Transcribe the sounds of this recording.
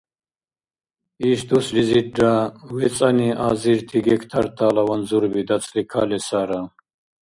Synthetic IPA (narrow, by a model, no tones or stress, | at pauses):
iʃd̪usliziːawɛt͡sʼaniʔa̰ziɾt̪ʰiɡɛkʰt̪ʰaɾt̪ʰaːlawanzuɾbid̪at͡sʰʼlikʰa̰lɛsaɾa